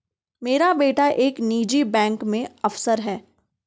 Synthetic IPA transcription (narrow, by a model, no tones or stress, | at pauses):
meːɾabeːʈaʔeːkniːd͡ʒibɛ̃ːŋkmẽɐfsəɾɦɛː